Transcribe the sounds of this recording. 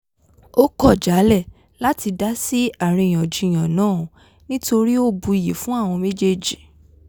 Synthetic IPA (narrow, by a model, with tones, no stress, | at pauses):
o˦kɔ˦˨d͡ʒa˨˦lɛ˦˨ | la˦ti˧da˦si˦a˨ɾ̃ĩ˧˨j̃ã˨d͡ʒĩ˧˨j̃ã˨nãː˦˨ | nĩ˦to˧ɾi˦o˦bu˧i˨ji˨fũ˦a˦˨w̃ɔ̃˧me˦d͡ʒe˦d͡ʒi˨